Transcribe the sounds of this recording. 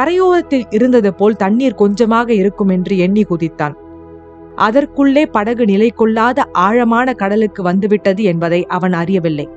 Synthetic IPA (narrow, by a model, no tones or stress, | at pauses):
kɐɾɐjoːɾɐt̪ːɪlɪɾɯnd̪ɐðɐpoːlt̪ɐɳːiːɾkɔɲd͡ʒɐmaːɣɐɪɾɯkːɯmɛndrɯɛɳːikʊðɪt̪ːa̰ːn | ʔɐðɐrkɯɭːeːpɐɽɐɣɯnɪlɐɪkːɔɭːaːðɐʔaːɻɐmaːnɐkɐɽɐlɯkːɯʋɐnd̪ɯʋɪʈːɐðɯɛnbɐðɐɪʔɐʋɐnɐrɪjɐʋɪlːɐɪ